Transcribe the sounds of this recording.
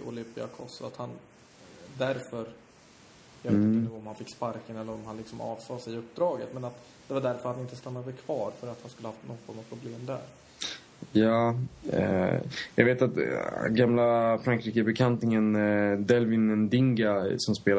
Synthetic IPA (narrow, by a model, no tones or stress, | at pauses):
ʊ̰lʏmpɪa̰kʰɔ̰sa̰t̪han | d̪æɾfœɾ | jaɡvɔmhanfɪkːspaɾkənɛlːəɾɔmhanlɪksɔmɑ̰ːvsɑːsɛjɵpːd̪ɾɑːɡət̪mɛnat̪ | d̪̥ɛvaɖæɾfœɾt̪ʰːanɪnt̪əst̪anːad̪əkʰv̥ɑːɾfœɾat̪hanskɵlːəhɑnɔfɔŋːapʰɾʊbleːmd̪æ̰ɾ | jɑ̰ː | jɑ̰ɡveːt̪at̪ɡamlafɾaŋkʰɾiːkəbɛkʰant̪nɪŋənd̪ɛlvɪnɛnd̪ɪŋɡasɔmspeːl